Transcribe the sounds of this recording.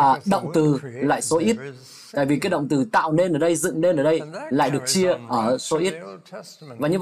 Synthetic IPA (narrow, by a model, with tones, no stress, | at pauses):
ɗə̰˧˨wŋ͡mt̪ɨ˨˩la̰ː˧˨jso˨˦ʔi˦˥t̚ | t̪a̰ː˧˨jvi˨˩kaː˦jɗə̰˧˨wŋ͡mt̪ɨ˨˩t̪a̰ː˧˨wne˧nʔəː˧˩ɗə˧jzɨ̰˧˨ŋɗe˧nʔəː˧˩ɗə˧jla̰ː˧˨jɗɨ˨˩ək̚t͡ɕi˧əʔəː˧˩so˨˦ʔi˦˥t̚ | vaː˨˩ɲɨ˧˨